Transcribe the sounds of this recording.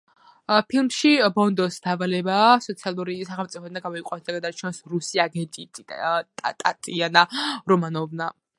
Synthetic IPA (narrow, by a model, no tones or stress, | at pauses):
pʰilˠmʃibɔnd̪ɔsd̪̥aːvalɛbaːsɔt̪sʰialˠuɾisaχɛlˠmt̪sʼipʰɔd̪aɡamɔiqʼand̪aɡad̪aɾt͡ʃʰɛnsɾusiaɡɛnt̪ʼit̪ʰʼit̪ʼat̪ʼat̪ʼianaɾɔmanɔvna